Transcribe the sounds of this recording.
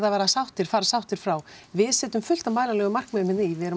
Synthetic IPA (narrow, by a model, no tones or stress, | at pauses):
ðavaːɾasawht̪ɪɾ̥faːɾasawht̪ɪɾ̥fɾaːwvɪðsɛːt̪ʏmfʏl̥t̪amaːjlalɛɣʏmar̥kmɛðmɪnivɪðɛɾʏ